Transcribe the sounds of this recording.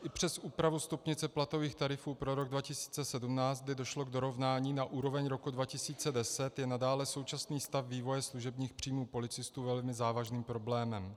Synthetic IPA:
ʔɪpr̝̥ɛsʔuːpɾavust̪upɲɪt͡sɛplat̪o̞viːxt̪aɾɪfuːpɾoɾo̞ɡ̚dvacɪsi̥ːt͡sɛsɛdumnaːt͡st̪ɡ̚dɪdo̞ʃlo̞ɡdo̞ɾo̞vnaːɲiːnaʔuːɾo̞vɛɲɾo̞kudvacɪsiːt͡sɛdɛsɛt̪jɛnadaːlɛso̞wt͡ʃasniːst̪afviːvo̞jɛsluʒɛbɲiːxpr̝̥iːmuːpo̞lɪt͡sɪst̪uːvɛlmɪzaːvaʒniːmpɾo̞blɛːmɛm

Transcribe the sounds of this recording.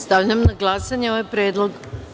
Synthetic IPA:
st̪aʋʎamnaɡlˠasaɲeo̞ʋajpɾeːd̪lˠoɡ

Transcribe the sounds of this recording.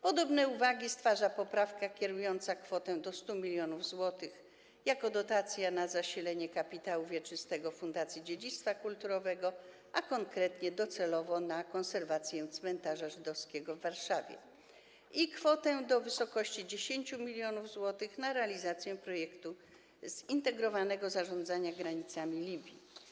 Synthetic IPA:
pɔd̪ɔbnɛuvaɡʲist̪faʐapɔpɾafkakʲɛɾujɔnt̪sakfɔt̪ɛ̃d̪ɔst̪umʲilʲjɔnuvzwɔt̪ɘx | jakɔd̪ɔt̪at̪sʲjanazaɕilɛɲɛkapʲit̪awuvʲjɛt͡ʂɘst̪ɛɡɔfund̪at̪sʲjid͡ʑed͡ʑit̪st̪fakult̪uɾɔvɛɡɔ | ʔakɔŋkɾɛt̪ɲɛd̪ɔt̪sɛlɔvɔnakɔ̃nsɛɾvat̪sʲjɛ̃t̪smɛnt̪aʐaʐɘd̪ɔfskʲɛɡɔvːaɾʂavʲjɛ̰ | ikfɔt̪ɛd̪ɔvɘsɔkɔɕt͡ɕid͡ʑeɕeɲt͡ɕumʲilʲjɔnuvzwɔt̪ɘxnaɾɛalʲizat̪sʲjɛ̃pɾɔjɛkt̪u | z̥int̪ɛɡɾɔvanɛɡɔzaʐɔ̃nd̪zaɲaɡɾaɲit̪samʲilʲibʲji

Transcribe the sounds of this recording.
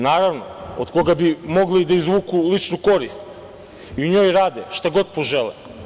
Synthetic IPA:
naːɾaʋnood̪ko̞ɡabimo̞ɡlid̪aizʋuːkulit͡ʃnuko̞ɾist̪ | iuɲo̞jɾaːd̪eʃt̪aɡo̞d̪poʒɛlḛ

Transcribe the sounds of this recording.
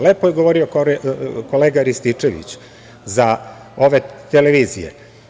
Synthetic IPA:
lepojeɡo̞ʋo̞ɾiok | ko̞leːɡaɾist̪it͡ʂeʋḭt͡ɕ | za | o̞ʋe̞t̪eleʋiːzijḛ

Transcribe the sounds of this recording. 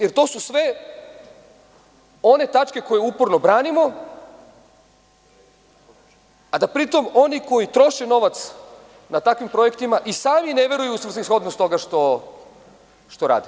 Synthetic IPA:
jeɾt̪o̞ːsusʋe̞ | o̞ne̞t̪at͡ʃke̞ko̞jeupoɾno̞bɾaːnimo̞ | ad̪apɾit̪o̞mo̞niko̞jit̪ɾo̞ʃeno̞ʋat̪s | nat̪akʋimpɾo̞je̞kt̪imaʔisaːmine̞ʋʲje̞ɾujuːsvr̩t̪isxo̞d̪nost̪o̞ɡaʃt̪o̞ | ʃt̪oɾa̰ːd̪i

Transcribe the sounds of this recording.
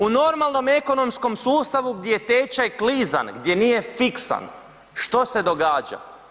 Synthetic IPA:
uno̞ɾmalˠno̞me̞ko̞no̞msko̞msuːst̪aʋuɡd̪jejet̪eːt͡ʃakliːza̰nɡd̪je̞nije̞fiksa̰n | ʃt̪o̞se̞d̪o̞ɡaːd͡ʒa̰

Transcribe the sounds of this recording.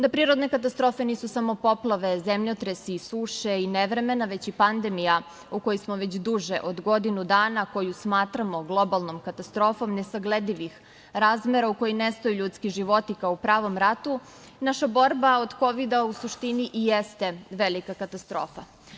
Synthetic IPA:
d̪apɾiːɾo̞d̪ne̞kat̪ast̪ɾo̞ːfe̞niːsusamo̞po̞plˠaʋe̞zemʎot̪ɾesisuːʃeineʋɾe̞me̞naʋet͡ɕipand̪emija | uko̞jismo̞ʋet͡ɕd̪uʒeʔod̪ɡo̞d̪inud̪aːnako̞jusmaːt̪ɾamo̞ɡlˠo̞balˠno̞mkat̪ast̪ɾo̞ːfo̞mne̞saɡled̪iʋix | ɾaːzmeɾauko̞jinest̪ojuʎuːt̪skiʒiʋo̞t̪ikaoupɾaːʋo̞mɾat̪u | naʃabo̞ɾbaod̪ko̞ʋid̪ausuʃt̪iniʔijest̪e̞ʋelikakat̪ast̪ɾoːfa

